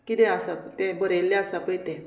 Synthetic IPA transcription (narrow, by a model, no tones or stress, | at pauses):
kit̪ẽasat̪ẽbəɾeljaasapəjt̪ɛ̃